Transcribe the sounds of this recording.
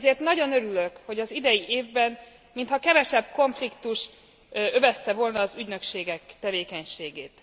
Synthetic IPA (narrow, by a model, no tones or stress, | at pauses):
zeːrt̪nɒɟo̞nø̞ɾylø̞kho̞ɟɒzid̪ɛjiʔeːvbɛn | mint̪hɒkɛvɛʃɛbko̞ɱflikt̪uʃ | ø̞vɛst̪ɛvo̞lnɒːzyɟnø̞kʃeːɡɛkt̪ɛveːkɛɲʃeːɡeːt̪